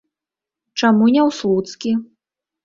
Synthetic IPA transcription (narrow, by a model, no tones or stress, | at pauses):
t͡ʂamunʲɛwslˠut̪skʲi